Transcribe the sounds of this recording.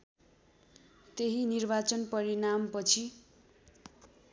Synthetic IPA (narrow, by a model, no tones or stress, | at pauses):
t̪eɦinirbat͡sʌnpʌɾinampʌt͡sʰi